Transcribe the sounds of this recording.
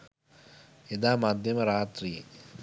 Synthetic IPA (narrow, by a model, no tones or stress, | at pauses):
id̪aːmad̪ʱjɐmɐɾaːt̪ɾiː